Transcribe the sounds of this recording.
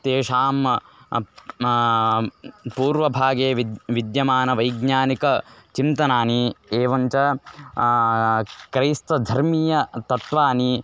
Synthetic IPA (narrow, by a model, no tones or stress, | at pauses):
t̪eːʂaːm | puːɾʋɐbʱaːɡeːʋiʋid̪jɐmaːnɐʋɐjɡɲaːnikɐt͡ʃint̪ɐnaːnieːʋɐɲt͡ʃɐ | kɾijst̪ɐd̪ʱɐɾmiːjɐt̪ɐt̪ʋaːni